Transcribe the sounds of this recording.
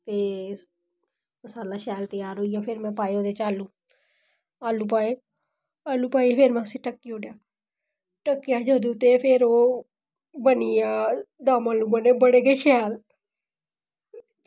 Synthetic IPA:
t̪eː | saːlaːʃjaːlt̪əjaːɾɦoːijaːpʰeɾmɛ̃ːpaːjõːt̪eːt͡ʃaːlũː | aːlũːp̬aːje | aːlũːpaːipʰeːɾmãːsĩːʈəkːijoːɖjaː | ʈəkːjaːd͡ʒəd̪ũːt̪eːpʰeːɾoː | bəniaːd̪aːmaːlũːbəneːbəɽeːɡeːʃʰjaːl

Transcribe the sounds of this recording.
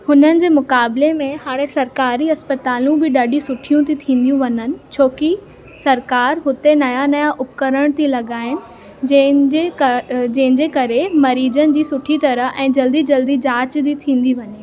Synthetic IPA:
hʊnənɪ̆d͡ʑeːmʊkaːblemẽɦaːɽesɐɾkaːɾiɐspət̪aːlũbɪɗɐɗĩsʊʈʰijũt̪ʰit̪ʰĩːn̆d̪ijũʋɐɲənɪ̆t͡ɕʰoːki | sɐɾkaːɾɦʊt̪enɐjanɐjaʔʊpkəɾəɽ̃t̪ʰilɐɠaːɦɪnɪ̆ | ed͡ʑɐ̃ɦɪnd͡ʑeːkɐɾemɐɾiːd͡ʑənɪ̆d͡ʑiːsʊʈʰit̪ɐɾəɦʔɛ̃ːd͡ʑɐld̪id͡ʑɐld̪id͡ʑaːt͡ɕd̪it̪ʰĩːn̆d̪iʋɐɲe

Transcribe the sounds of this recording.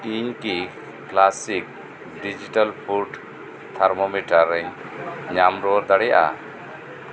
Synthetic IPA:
iɲki | klasik̚ | ɖid͡ʒiʈalpʰuɾɖ | t̪ʰaɾmɔmiʈaɾɛɲ | ɲamɾɔɔɾd̪aɽɛja̰ʔa̰

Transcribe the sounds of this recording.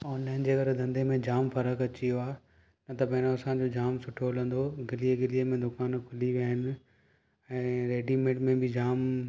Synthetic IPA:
ɔːnlaːɪnd͡ʑeːɐɡəɾd̪ʱɐ̃nd̪ʱemẽd͡ʑaːmfɐɾəkɐt͡ɕijoaːe | nɐt̪ɐpɐ̃ɦɪ̃noɐsãd͡ʑod͡ʑaːmsʊʈʰoɦlə̃nd̪oɡɪlieɡɪlijemẽd̪ʊkaːnkʰʊliʋiaːɦɪnɪ̆ | ɛ̃ːɾeːɖimẽːʈmẽbɪd͡ʑaːm

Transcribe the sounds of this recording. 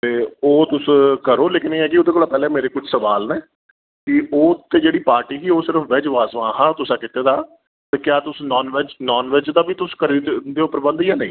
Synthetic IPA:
t̪eːoːt̪ʊskəɾoːleːkɪnːĩːɛːkiod̪eːkoːlaːpɛːlɛ̃ːmeːɾeːkʊt͡ʃʰsəʋaːlnɛː | kɪʔoːt̪eːd͡ʒeːɽiːpaːɾʈiːkiːoːsɪɾəfʋeːd͡ʒʋaːsʋãːɦãːt̪ʊsãːkɪt̪eːd̪aː | t̪eːkjaːt̪ʊsnɔːnʋed͡ʒnɔːnʋed͡ʒd̪aːbiːt̪ʊskəɾid̪eːʊpːəɾbə̃nd̪jãːnə̃ĩː

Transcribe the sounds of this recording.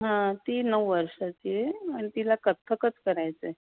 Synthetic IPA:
ɦãt̪iːnəʋʋəɾʂat͡ɕieəɳit̪ilakət̪ʰːəkət͡skəɾajt͡se

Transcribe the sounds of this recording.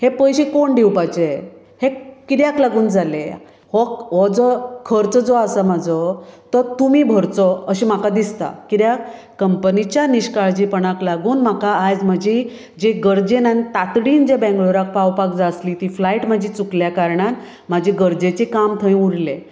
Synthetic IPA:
hepəjɕikoɳɖʱewpajt͡se | hekid̪jaklaɡuːnd͡zale | hɔkɦɔd͡zɔkʰəɾt͡səd͡zɔasamad͡zʱɔt̪ət̪umiːbʱəɾt͡sɔəɕimakad̪ist̪a̰kid̪jak | kəmpənit͡ɕjaniɕkaɭd͡ʑiːpəɳ̃aklaɡuːnm̤akaːd͡zm̤ad͡ʑi | d͡ʑeɡəɾd͡ʑenanit̪at̪ɽiːnd͡ʑebɛ̃ŋɡɭoɾak̚pawpak̚d͡zasliːt̪iːflaiʈmad͡ʑʱit͡sukljakaɾɳan | m̤ad͡ʑʱiɡəɾd͡zet͡ɕekamt̪ʰə̃j̃uɽle

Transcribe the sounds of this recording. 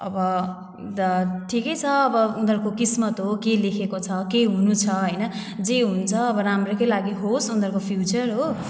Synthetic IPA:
ʌ̰bʌ | d̪ʌʈʰikʌjt͡sʰʌːbʌund̪ʱʌrkokismʌt̪ɦokelekʰekot͡sʰʌkeɦunut͡sʰʌɦʌjnʌ | d͡zeɦunt͡sʰʌːbʌɾamrekʌlaɡiɦosund̪ʱʌrkopʰjut͡sʌrɦo

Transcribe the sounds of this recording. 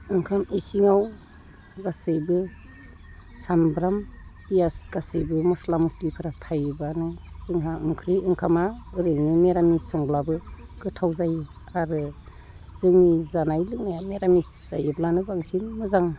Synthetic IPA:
ɯŋkʰamisiŋaw | ɡasɯjbɯ | sambɾambijasɡ̥asɯjbɯmɔslamuslipʰɯɾatʰajbanɯz̥ɯŋɦaɯmkʰɾiɯŋkʰamaɯɾɯŋnimeɾamisɔŋblabɯɡ̥ɯtʰawzaj | aɾɯ | z̥ɯŋnizanajlɯk̚najameɾamisz̥ajɯblanɯbaŋsinmɯzaŋ

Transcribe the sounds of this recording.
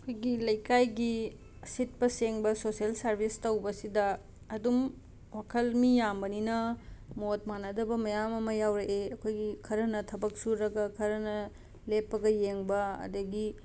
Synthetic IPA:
ɐkʰojɡilɐjkajɡi | ɐsit̚pɐseŋbɐsosielsɐɾbʱistɐwbɐsidɐː | dum | wakʰɐlmijambɐninɐmot̚manɐdɐbɐmɐjamɐmɐjawɾɐʔeɐkʰojɡikʰɐɾɐnɐtʰɐbɐk̚suɾɐɡɐkʰɐɾɐnɐ | lepːɐɡɐjeŋbɐɐ̰dɐɡi

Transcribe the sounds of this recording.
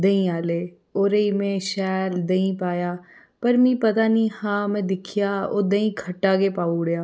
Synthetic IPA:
d̪əĩaːleː | oːɾeiːmɛ̃ːʃɛːld̪əĩpaːjaː | pəɾmĩːpət̪aːnĩːhãːmɛ̃ːd̪ɪkʰɪjaːoːd̪əĩːkʰəʈːaːkeːpaːuɽjaː

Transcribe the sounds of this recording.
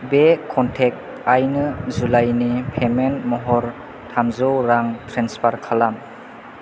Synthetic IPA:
bekʰɔntʰek̚ | ajnɯzulajnipʰemenmɔɦɔɾ | tʰamzɔwɾaŋtʰɾenspʰaɾkʰalam

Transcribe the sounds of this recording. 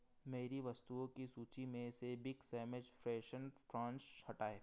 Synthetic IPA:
meːɾiʋɐst̪uõkisuːt͡ʃimẽsebɪɡsɛːmed͡ʒfɾɛːʃənʈɾãːnt͡ʃhɐʈaːeː

